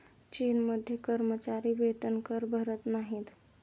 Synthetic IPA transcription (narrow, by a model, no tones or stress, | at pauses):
t͡ʃinməd̪ʱjekəɾmət͡ʃaɾiʋet̪ənkəɾbʱəɾət̪naɦĩt̪